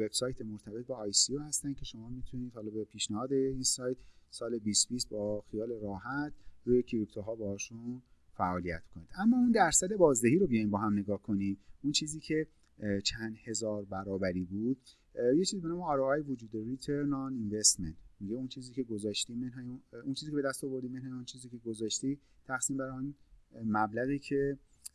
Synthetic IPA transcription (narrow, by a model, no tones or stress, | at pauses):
veb̥sɒːjt̪ʰemo̞ɾt̪ʰæbebɛːjsiohæst̪æn̚cʰe̞ʃo̞mɒːmit̪ʰuniːd̪̥hɒlɒːbepʰiːʃnæhɒːd̪einsɒːjt̪ʰsɒːlebiːst̪biːst̪̚bɒːxijɒːle̞ɾɒːɦæt̪ʰruːjecʰiɾip̚t̪ʰoɦɒːbehɒːʃun | fæʔɒːlijæ̰t̪mi̥kʰo̞niːd̪æmːɒːund̪æɾsæd̪e̞bɒːzd̪eɦiːɾobijɒjimbɒːɦæmne̞ɡɒːhkʰo̞niːmunt͡ʃʰiːziːcʰe̞ | t͡ʃʰænd̪he̞zɒːɾbæɾɒːbæɾiːbud̪̥̚ | jet͡ʃʰizibenɒːmeɒːɾɔɒːjevod͡ʒuːd̪eɾit̪ʰeɾnɒninvest̪ment̪miɟeunt͡ʃʰiːziːcʰe̞ɡozɒːʃt̪iːmenɦɑjunt͡ʃʰiːzicʰebe̞d̪æst̪ɒvo̞ɾd̪iːmenhɑːjunt͡ʃʰiːziːcʰe̞ɡo̞zɒːʃt̪iː | t̪ʰæχsiːmbæɾɔnmæblæɣiːcʰe̞